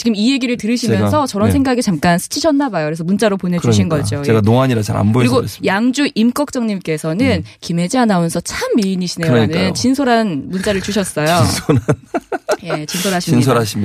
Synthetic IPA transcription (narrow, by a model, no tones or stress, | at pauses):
t͡ɕiɡɯmije̞ɡiɾɯɭtɯɾɯɕʰijʌjsʰʌt͡ɕʌɾʌnsʰeŋɡaɡit͡ɕamk͈ansʰɯ̥t͡ɕʰiɕʰʌnːabajokɾesʰʌmunt͡ɕ͈aɾoponɦe̞d͡ʑuɕʰinɡʌd͡ʑoeɡanoaɲiɾat͡ɕa̰ɾa̰nboɯɾiɡosjaŋd͡ʑuʔimk͈ʌk̚t͡ɕ͈ʌŋɲimk͈e̞sʰʌnɯnkime̞d͡ʑianajʌnsʰʌt͡ɕʰamːiiɲiɕʰineɾoɲinɯnt͡ɕinsʰoɾɦanmunt͡ɕ͈aɾɯɭt͡ɕuɕʰʌs͈ʌjosʰoɾanjet͡ɕinsʰoɾɦaɕʰiminsʰoɾaɕʰim